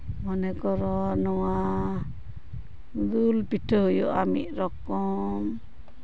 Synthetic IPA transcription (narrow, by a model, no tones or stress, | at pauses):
mɔnɛkɔɾɔnɔwa | d̪ulpiʈʰəɦujɔ̰ʔamḭʔ̚ɾɔkɔm